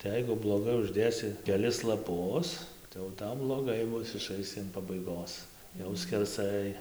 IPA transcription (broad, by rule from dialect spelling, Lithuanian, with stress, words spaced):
tɐɪ ˈjɛɪɡʊ blˠoːˈɡɐɪ ʊʒʲˈdʲeːsʲɪ kʲɛˈlʲɪs lˠɐˈpʊs tɐɪ jɛʊ ˈtɐʊ blˠoːˈɡɐɪ ˈbʊs ɪˈʃɐɪsʲɪ ɐn pɐbɐɪˈɡoːs jɛʊ sʲkʲɛrˈsɐɪ